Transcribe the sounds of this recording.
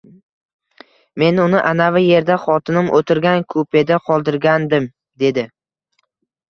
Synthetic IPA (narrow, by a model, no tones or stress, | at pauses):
me̞nʊnɪʔanavɪje̞ɾd̪aχɒt̪ʰɪnɪmʔot̪ʰɪɾɡʲankʰopʰe̞d̪aqʰɒlˠd̪ɪɾɡʲand̪ɪm | d̪e̞d̪ɪ